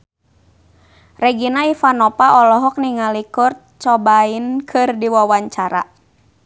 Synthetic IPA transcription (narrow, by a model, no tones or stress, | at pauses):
rɛɡinaifanɔpaʔɔlɔɦɔk̚niŋalikʊrt̪̚t͡ʃɔbainkʰɨrdiwawaɲt͡ʃaɾa